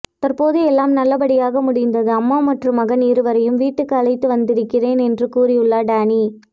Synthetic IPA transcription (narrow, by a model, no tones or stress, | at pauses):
t̪ɐrpoːðɯɛlːaːmnɐlːɐbɐɽɪjaːɣɐmʊɽɪnd̪ɐðɯɐmːaːmɐʈrɯmɐɣɐniːɾɯʋɐɾɐjɯmʋiːʈːɯkːɐlɐɪt̪ːɯʋɐnd̪ɪɾɯkːɪreːnɛndrɯkuːrɪjɯɭːaːɖaːni